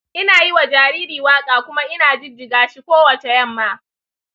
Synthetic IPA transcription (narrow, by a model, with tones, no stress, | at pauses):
ʔɪ˦naː˨ji˦wa˨d͡ʒaː˨ɾiː˦ɾiː˨waː˦kʼaː˨kʷʊ˦ma˦ʔɪ˦naː˨d͡ʒɪ˦d͡ʒɪ˨ɡaː˨ʃi˦kʷoː˦wɐ˨t͡ʃe˨jɐ˦˨mːaː˦